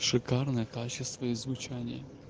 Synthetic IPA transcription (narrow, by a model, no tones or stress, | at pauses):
ʂɨkarnəjəkat͡ɕɪst̪vəizvʊt͡ɕanʲɪjə